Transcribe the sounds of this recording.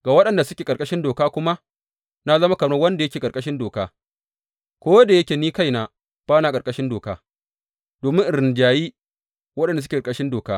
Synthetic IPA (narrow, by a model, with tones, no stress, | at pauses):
ɡ̥a˨wɐ˦ɗɐ˨nda˨sʊ˦kʲeː˨kʼɐ˨ɾkʼɐ˦ʃɪ˦ndoː˨kaː˦kʷʊ˦ma˦ | na˦zɐ˦ma˦kɐ˨nɐ˦wɐ˦nda˨jɐ˦kʲeː˨kʼɐ˨kʼɐ˦ʃɪ˦ndoː˨kaː˦ | kʷoː˦da˨jɐ˦kʲeː˨niː˦ka˦jnaː˨ | b̥aː˦naː˨kʼɐ˨ɾkʼɐ˦ʃɪ˦ndoː˨kaː˦ | d̥oː˨mɪ̃˦ŋʔɪ˨ɾɪ˨nd͡ʒaː˨jiː˦ | wɐ˦ɗɐ˨n˨dsʊ˦kʲe˨kʼɐ˦ʃɪ˦ndoː˨kaː˦